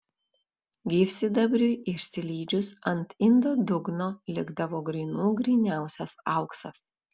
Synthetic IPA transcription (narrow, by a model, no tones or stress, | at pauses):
ɡʲiːfʲsʲɪd̪ɐbʲɾʲʊʔɪʃʲsʲɪlʲiːd͡ʒʲʊsɐnt̪ɪnd̪oːd̪ʊɡnoːlʲɪɡd̪ɐʋoːɡɾʲiːnuːɡɾʲinʲæˑʊsʲɛsɐʊksɐ̰s